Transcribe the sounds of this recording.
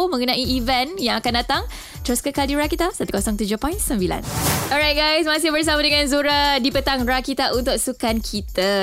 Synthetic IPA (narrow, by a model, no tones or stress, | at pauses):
mə̃ŋənãʔiːvɛnjãŋakandat̪aŋ | t̪əɾʊskəkadiɾakit̪asat̪u̥kɔsɔŋt̪ud͡ʒʊhpɔ̃j̃nsəmbila̰nɔɹajt̚ɡajsmãs̬ɪhbərs̬amadəŋãnzuɾadipət̪aŋrakit̪aʔunt̪ʊk̚sukankʰit̪a